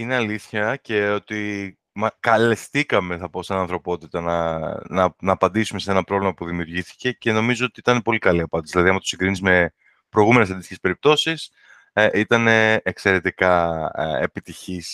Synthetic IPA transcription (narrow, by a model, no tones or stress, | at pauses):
ineɐliθçɐce̞o̞t̪i | mɐkɐle̞st̪ikɐme̞θɐpo̞sɐnɐ̃nθɾo̞po̞t̪it̪ɐnɐnɐnɐːpɐnd̪isume̞see̞nɐpɾo̞vlimɐpuðimiuɾʝiθi̥ce̞ce̞no̞mizoot̪iit̪ɐne̞po̞likɐliɐpɐnd̪sðilɐðiɐmɐt̪siŋɡɾinizme̞ | pɾojɣume̞nes̬ɐnd̪ist̪icespe̞ɾip̚t̪o̞sis | ʔit̪ɐne̞ːkse̞ɾe̞t̪ikɐḛpit̪içis